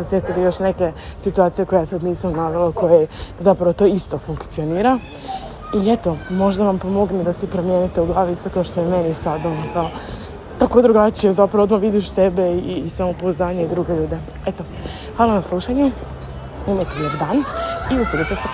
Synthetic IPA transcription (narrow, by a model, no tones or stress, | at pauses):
esjet̪ilijo̞ʃneke̞sit̪uaːt̪sije̞ko̞jejasad̪niːsamnaːʋelako̞jezapɾaʋo̞t̪o̞ːist̪o̞fuŋkt̪sio̞niːɾa | ilet̪o̞mo̞ʒd̪aʋampomo̞ɡned̪asipɾomjeːnit̪euɡlˠaːʋiist̪okaoʃt̪ojeme̞nisad̪onokao | t̪akod̪ɾuɡat͡ʃijezapɾaʋod̪maʋid̪iʃsebe̞iisamopozaːɲeid̪ɾuːɡe̞ʎuːd̪e̞ | et̪o | hʋaːlˠanaslˠuʃaɲe | umajt̪eʎoɡd̪aːniused̪it̪es